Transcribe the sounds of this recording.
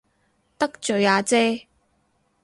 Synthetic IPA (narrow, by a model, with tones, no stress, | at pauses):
t̪ɐ˥k̚t͡ʃɵ˨˧ɥaː˨˧t͡sɛː˥